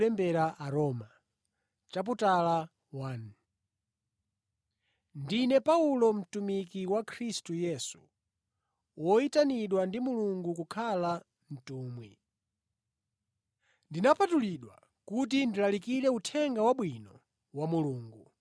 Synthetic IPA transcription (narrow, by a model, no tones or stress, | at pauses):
ɛmbɛɾaʔaɾɔːma | t͡ʃap̬utala | wan | ndinɛpaulɔm̩tumikiwakʰɾistujɛsu | wɔitaniɗwandimuluŋɡukukʰala | n̩tuːmwi | ndinapatuliɗwa̰ | kut̬indilalikiɾɛutʰɛŋɡawaɓwinɔ | wamuluːŋɡu